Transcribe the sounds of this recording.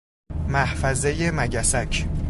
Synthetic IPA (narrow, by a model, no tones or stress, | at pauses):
mæhfæzejemæɟæsæcʰ